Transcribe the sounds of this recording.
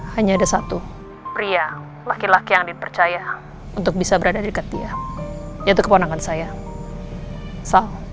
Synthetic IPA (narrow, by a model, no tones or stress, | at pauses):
haɲaːdasat̪u | pɾia | lakilakijaŋdipərt͡ʃaja | unt̪ʊk̚bisabəɾadadikat̪ia | jait̪̬ukəpanaŋansaja | sao